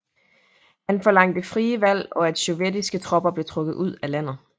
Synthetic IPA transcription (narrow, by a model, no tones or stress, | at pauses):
hænfɒ̽lɑ̈ŋ̰d̥əfʁiːəʋæl̰ɒ̽æd̥soʋed̥isɡ̥ət͡sʰʁɒ̽b̥ɐb̥le̝t͡sʰʁɔ̽ɡ̥ð̩ˠuð̞̰ˠælæn̰ð̩ˠ